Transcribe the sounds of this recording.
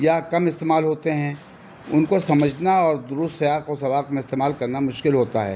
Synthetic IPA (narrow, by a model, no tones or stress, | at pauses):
jakɐmɪst̪eːmaːlɦoːt̪eɦɛ̃ | ʊnkosɐməd͡ʒʱnaɔːɾd̪ʊɾʊst̪sɐjaːqosɐʋaːqmẽɪst̪eːmaːlkɐɾnamʊʃkɪlɦoːt̪aɦɛ̰ː